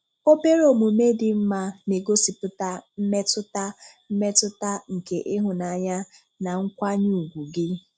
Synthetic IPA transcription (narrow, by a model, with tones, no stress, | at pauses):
o˦be˦ɾo˨mu˨me˦dɪ˨m̩˦ma˦ne˨ɡo˦si˨pʊ˦ta˦m̩˦me˦tʊ˦ta˦ | m̩˦me˦tʊ˦ta˦ŋ̩˨ke˨ʔɪ˦ɦʊ˨na˨ɲa˦ | na˨ŋ̩˦kʷa˦ɲu˦˨u˨ɡʷu˨ɡɪ˦